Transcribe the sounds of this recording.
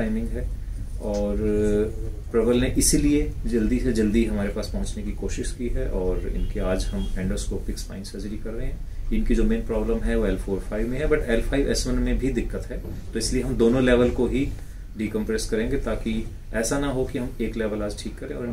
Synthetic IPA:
aːɪmɪ̃ŋɡɦɛː | ɔːɾ | pɾɛʋəlneʔɪsilied͡ʒɐld̪ised͡ʒɐld̪iɦɐmaːɾepaːspɐɦʊ̃t͡ʃnekikoːʃɪʃkiɦɛʔɔːɾɪ̰nkiaːd͡ʒɦɐmɛ̃ːɳɖɾoːskɔːpɪkspa̰ːɪnsɐzɾikɐɾːɐɦẽɦɛ̃ː | ɪ̃nkid͡ʒoːmeːnpɾɔːbləmɦɛʋoɛːlfʰoːɾfʰaːɪʋmẽɦɛbɐʈɛːlfʰaːɪʋɛ̰ːsmənmẽbʱid̪ɪkːət̪ɦɛːt̪oɪslieɦɐmd̪oːnõlɛːʋəlkoɦi | ɖiːkɐ̃mpɾeskɐɾẽːŋɡet̪aːki | ɛːsanɐɦokiɦɐmeːklɛːʋəlaːd͡ʒʈʰiːkːɐɾẽɔ̰ːɾɦ

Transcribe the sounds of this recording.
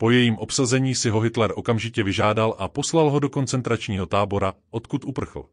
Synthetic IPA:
po̞jɛjiːmʔo̞psazɛɲiːsɪɦo̞ɦɪt̪lɛɾʔo̞kamʒɪcɛvɪʒaːdalʔapo̞slalɦo̞do̞ko̞nt͡sɛnt̪ɾat͡ʃɲiːɦot̪aːbo̞ɾaʔo̞t̪kut̪ʔupr̩xl̩

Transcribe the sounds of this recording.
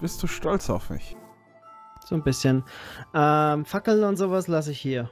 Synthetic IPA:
b̥ɪstd̥uːʃtɔlt͡sa̰ʊfmɪ̰ç | z̥oːnbɪsçənʔɛːmfakl̩nʊntz̥oːvaslas̬əɪçhiːɐ

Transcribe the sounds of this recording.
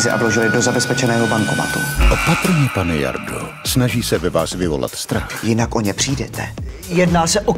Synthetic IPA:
zɪʔa̰vloʒɪlɪdozabɛspɛt͡ʃɛnɛːɦobaŋkoma̰t̪ṵʔopat̪ɾ̩ɲɛpanɛja̰ɾdo | snaʒiːsɛvɛvaːsvɪvo̞̰la̰t̪st̪ɾaxjɪnakʔoɲɛpr̝̥iːdɛt̪ʰɛ̰ | jɛdnaːsɛʔo

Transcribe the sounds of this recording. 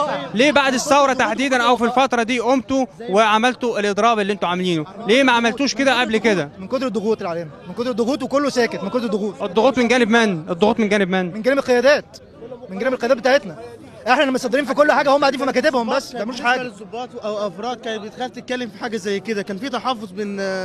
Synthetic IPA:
leːbaʕd̪esːæwɾˤɑt̪aħd̪iːd̪ænʔæwfilfɑt̪ɾˤɑd̪iːʔomt̪oweʕamælt̪oelʔed̪ɾˤɑːbelːiʔent̪oʕamæliːnoleːmæʕamælt̪uːʃked̪æʔæblked̪æmenkod̪ɾed̪ːoɣuːt̪elʕalæmimenkod̪ɾed̪ːoɣuːt̪wekolːosæːket̪menkod̪ɾed̪ːoɣuːt̪ed̪ˤːoɣuːt̪ˤmenɡæːnebmenːʔed̪ˤːoɣuːt̪menɡæːnebmenːmenɡælæmelqejæːd̪æːt̪ | menɡæneæbelqejææt̪bet̪aʕet̪næ | ʔeħnæʔenæmet̪sˤɑd̪ːeɾiːnfikolːħaːɡæhomæbaʕd̪infimækæːt̪ebhombæsːt̪æʕmæluːʃħaːɡæobːɑːt̪ʔæwʔæfɾˤɑːd̪̚kæːjt̪bet̪xæft̪et̪̚kælːemfiħaːɡæzæjːked̪ækæːnfiːt̪ɑħɑfːozˤben

